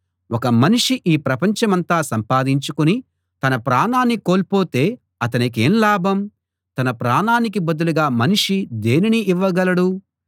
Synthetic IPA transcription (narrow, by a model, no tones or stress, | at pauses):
wɔkɐmɐniʂiʔiːpɾɐpɐɲt͡ʃɐmɐnt̪aːsɐmpaːd̪iɲt͡ʃukuni | t̪ɐnɐpɾaːnaːnːikoːlpo̞ːt̪e̞ː | ɐt̪̬ɐnike̞ːnlaːbʱɐm | t̪ɐnɐpɾaːnaːnik̬ibɐd̪uluɡaːmɐniʂid̪eːniniʔːʋːɐɡɐlɐɽu